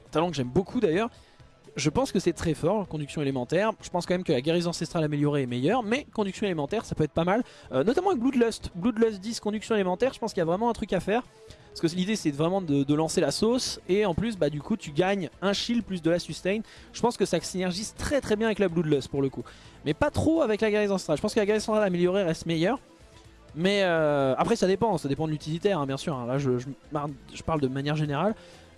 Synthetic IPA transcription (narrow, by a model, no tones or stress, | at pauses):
t̪alɑ̃kəʒɛmbokʰud̪ajœːʁ | ʒəpɑ̃skəsɛt̪χɛfɔʁkɔ̃d̪yksjɔ̃elemɑ̃t̪ɛʁʒ̥əpɑ̃skɑmɛmkəlaɡʲeʁizɑ̃sɛst̪χalameljɔʁeɛmɛjœʁmɛkɔ̃d̪yksjɔ̃elemɑ̃t̪ɛʁsapøɛt̪̚χpamal | ønɔt̪amɑ̃avɛk̚blud̪lœst̪blud̪lœst̪̚d̪izkɔ̃d̪yksjɔ̃elemɑ̃t̪ɛʁʒə̥pɑ̃skʲiljavʁɛmɑ̃ɛ̃t̪χykafɛːʁ | pskəlid̪esɛvʁɛmɑ̃d̪əd̪əlɑ̃selasoseɑ̃plys̬bad̪ykut̪yɡaɲɛ̃ʃilplys̬d̪əlasyst̪ɛjn | ʒ̥əpɑ̃skəsasinɛʁʒizt̪χɛt̪χɛbjɛ̃avɛklablud̪lœspuʁləkumɛpat̪χoavɛklaɡaʁizɑ̃sɑ̃t̪χalʒə̥pɑ̃skəlaɡaʁizsɑ̃t̪χalameljɔʁeʁɛst̪mɛjœʁ | mɛøapχɛsad̪epɑ̃sad̪epɑ̃d̪lyt̪ilit̪ɛʁɛ̃bjɛ̃syːʁɛ̃laʒəʒəmaʁʒəpaʁld̪əmanjɛʁʒeneʁal